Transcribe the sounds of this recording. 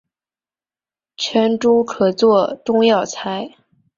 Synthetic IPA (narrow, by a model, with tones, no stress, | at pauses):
t͡ɕʰɛ˧˥nʈ͡ʂu˥kʰɤ˨˩t͡swɔ˥˧ʈ͡ʂʊ˥ŋjɑ˥˩ʊt͡sʰa˧˥ɪ